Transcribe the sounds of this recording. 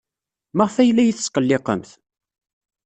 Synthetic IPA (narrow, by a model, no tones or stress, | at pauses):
məʁfæjlːæjiθə̥sqəlːɪqə̰mθ